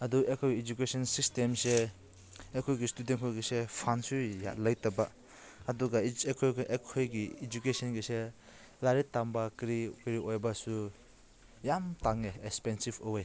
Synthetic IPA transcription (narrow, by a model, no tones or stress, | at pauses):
ɐduekʰojid͡ʒukesɔnsistemse | ekʰojɡistudentkʰojɡisepʰansuja̰lajtaba | ɐduɡaekʰojʔekʰojɡiːd͡ʒukesɔnɡise | laɾitːambakɾikɾiojbasu | jamtaŋeekspensibowej